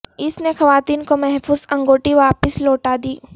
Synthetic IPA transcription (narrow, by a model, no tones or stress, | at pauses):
ɪsnexɐʋaːt̪iːnkomɛɦfuːzɐ̃ŋɡoːʈiʋaːpɪsloːʈaːd̪iː